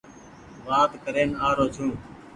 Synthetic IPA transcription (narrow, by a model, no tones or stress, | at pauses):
ʋaːd̪kəɾeːnaːɾoːt͡ʃʰũː